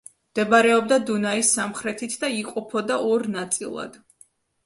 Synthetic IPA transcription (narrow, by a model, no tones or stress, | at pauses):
md̪̥ɛbaɾɛɔb̚d̪ad̪unaisːamχɾɛt̪ʰit̪ʰd̪aiqʼɔpʰɔd̪aʔɔɾnat̪sʼḭlˠa̰d̪̥